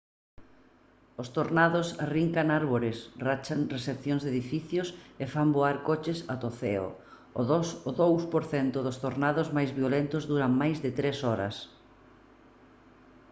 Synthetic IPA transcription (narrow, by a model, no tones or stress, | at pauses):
ʊst̪oɾnaðʊsriŋkaŋaɾβoɾɪsrat͡ʃaŋresepθjõŋzðeðifiθjʊsɪfamboaɾkot͡ʃɪsat̪oθeo̰ | ðosoðowspoɾθɛnt̪ʊðʊst̪oɾnaðʊzmajzβjolent̪ʊzðuɾaŋmajzðɪt̪ɾesɔɾɐ̰s